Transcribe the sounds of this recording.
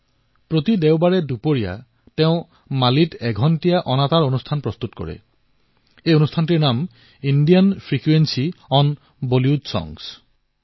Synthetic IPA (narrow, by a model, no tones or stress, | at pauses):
pɹot̪idɛʊbaɹɛdupoɹija̰ | tɛʊ̃ | malitɛɡʱɔntijaʔɔnataɹonustʰanpɹɔst̪utkɔ̰ɹɛ̰ | ejonustʰantiɹnam | indijanpʰɹikwensiɔn | boljudsɔ̰ŋs